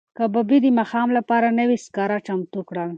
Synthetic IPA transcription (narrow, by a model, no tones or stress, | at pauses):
kababid̪əmaxɑmlapɑɾanəwiskɑɾat͡ʃamt̪ukɽəl